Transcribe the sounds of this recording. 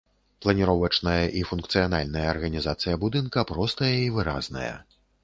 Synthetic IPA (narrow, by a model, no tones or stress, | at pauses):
plˠɐnʲiɾɔvɐt͡ʂnɐjɐʔifunkt̪sɨjana̰lʲnɐjɐːrɣɐnʲizat̪sɨjɐbud̪ɨnkɐpɾɔst̪ɐjɐivɨɾa̰znɐ̰jɐ̰